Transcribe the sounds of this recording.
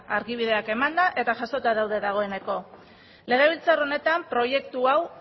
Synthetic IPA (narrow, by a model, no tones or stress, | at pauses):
aɾɣiβ̞iðe̞ake̞mand̪aʔe̞t̪aʝaso̞t̪aðawðe̞ðaɣ̞o̞e̞ne̞ko̞ | le̞ɣeβ̞ilt͡saro̞ne̞t̪ampɾo̞je̞kt̪uaw